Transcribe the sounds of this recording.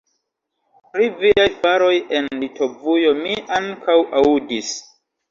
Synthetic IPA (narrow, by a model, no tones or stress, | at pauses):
pɾiviajvaɾo̞jenlito̞vujo̞miʔaŋkʰawʔaudis